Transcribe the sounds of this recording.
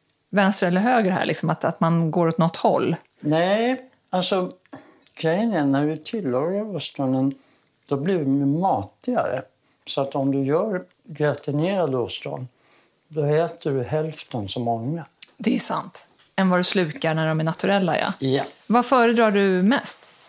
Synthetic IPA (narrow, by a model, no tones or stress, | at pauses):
vɛnst̪ɾaɛlːəɾɦøːɡɾəɦæ̰ːɭɪ̰ksɔmat̪at̪manɡoːɾɔt̪nɔt̪ːhɔ̰lː | nɛɪ | alsɔ | kʰɾɛjnənːæɾvɪt̪ʰɪlːoɾaɾʊst̪ɾɔnən | d̪̥ɔblɪvmɪmɑːt̪ɪɡa̰ɾə̰ | sɔat̪ɔmd̪ɵjœːɾ | ɡɾat̪ɪneːɾad̪ust̪ɾɔ̰n | d̪ɔɛːt̪əɖɵɦɛlft̪ənsɔmɔŋːad̪ɛːʂa̰nt̪ | ɛnvad̪ɵslʉ̟ːkaɾɳæɖɔmæɳat̪ɵɾɛlːajɛ̰jvafœːɾəd̪ɾɑːɖɵmɛst̪